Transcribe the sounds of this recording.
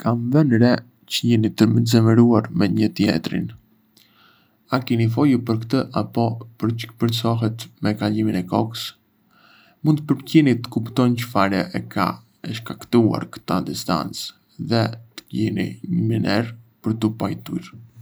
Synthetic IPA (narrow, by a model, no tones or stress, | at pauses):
kʰamvɛnɾɛ | cəjɛnit̪əməzɛməɾuaɾmɛɲət̪jɛ̰t̪ɾḭn | akinifɔjupəɾkt̪əʔapɔpəɾpəɾsɔɦɛt̪mɛkaʎiminɛkɔkə̥s | mund̪̚pəɾpcinit̪ə̥kupt̪ɔncəfaɾəʔɛkʰa̰ | ɛʃkakt̪ua̰ɾkə̥t̪ad̪ist̪a̰nt͡s | ðɛt̪ə̥ɟɛnḭɲəminɛɾpəɾt̪upajt̪ṵɾ